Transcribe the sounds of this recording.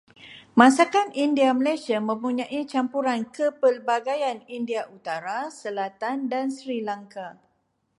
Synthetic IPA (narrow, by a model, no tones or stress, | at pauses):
mãsakanindiaməlajsiamə̃mpuɲãʔit͡ʃampuɾankəpəlbaɡajanindiaʔut̪aɾasəlat̪andansɾilaŋka